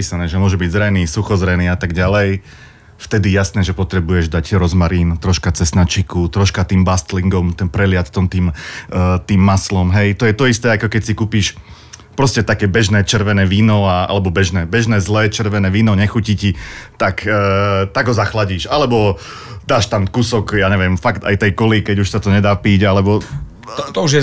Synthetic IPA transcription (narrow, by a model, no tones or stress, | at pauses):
piːsanɛːʒɛmʊɔʒɛbiɟzɾɛniːsuxɔzɾɛniːat̪aɡɟalɛj | ft̪ɛd̪ijasnɛːʒɛpɔt̪ɾɛbujɛʒd̪acɾɔzmaɾiːnt̪ɾɔʃkat͡sɛsnat͡ʃikut̪ɾɔʃkat̪iːmbast̪liŋɡɔmt̪ɛnpɾɛlɪat̪t̪ːɔmt̪iːmː | t̪iːmːaslɔmɦɛjt̪ɔjɛt̪ɔist̪ɛːakɔkɛcsikuːpiːʃ | pɾɔscɛt̪akɛːbɛʒnɛːt͡ʃɛɾʋɛnɛːʋiːnɔaa̰lɛbɔbɛʒnɛːbɛʒnɛːzlɛːt͡ʃɛɾʋɛnɛːʋiːnɔɲɛxucicit̪akːt̪aɡɦɔzaxlaɟiːʃalɛbɔ | d̪aːʃt̪amkusɔkjaːɲɛʋɪɛmfakt̪a̰jt̪ɛjkɔlikɛɟuʃsat̪ɔɲɛd̪aːpiːɟalɛbɔ | t̪ɔuʒjɛ